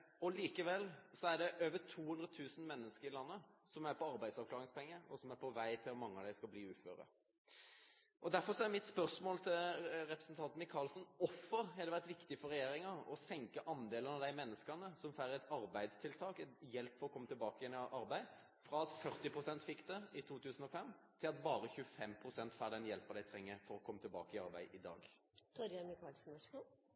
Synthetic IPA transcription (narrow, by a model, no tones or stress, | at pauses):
ɔliːkəʋɛlsɔæɖ̪ɛʔøːʋət̪ʰuːhʉnd̪ɾət̪ʰʉːsn̩mɛnːəskəɾɪlɑnːəsɔmæɾpʰɔɑɾbæɪd̪sɑʋklɑːɾʁɪŋspʰɛŋːəɔsɔmæɾpʰɔʋæɪt̪ʰɪlɔmɑŋːəɑʋd̪æɪskɑbliːʉːfø̰ːɾə̰ | ʔɔd̪æɾfɔɾsɔæɾmɪt̪spœʁsmoːlt̪ʰɪlɾɛpɾəsn̩t̪ʰɑnt̪nmɪkʰːɑlsnɔfːəɾhɛd̪ɛʋæʁt̪ʋɪkt̪ɪfɔɾɛjeːɾɪŋəɔ̰sɛŋkəʔɑnd̪eːlənɑʋd̪æɪmɛnːəskɑnəsɔmfæɾəɛt̪ɑɾbæɪd̪st̪ʰɪlt̪ʰɑːkɛjɛlpːfɔɾɔkʰɔmːət̪ɪlbɑːkəjɛnʔɑɾbæɪ | fɾɑːɑt̪fœɾt̪ɪpʰɾʊsɛnt̪fɪkːd̪ɛɪt̪ʰuːt̪ʰʉːsən̩ɔfɛmːt̪ʰɪlɑt̪bɑːɾəçʉəfɛmpʰɾʊsɛnt̪fæːd̪ɛnjɛlpɑd̪æɪt̪ʰɾɛŋːəfɔɾɔkʰɔmːət̪ʰɪlbɑ̰ːkəɪɑ̰ɾbæɪɪd̪ɑ̰ːɡ | t̪ʰɔɾɑmɪkʰɑːlsn̩ɛ